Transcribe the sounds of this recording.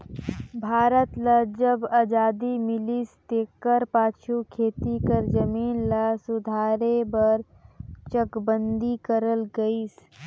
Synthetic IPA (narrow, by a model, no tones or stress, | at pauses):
bʱaːɾət̪ləd͡ʒəbaːd͡ʒaːd̪imɪlist̪eːkəɾpaːt͡ʃʰukʰeːt̪ikəɾd͡ʒəmiːnlasʊd̪ʱaːɾebəɾ | t͡ʃəkbənd̪ikəɾəlɡəis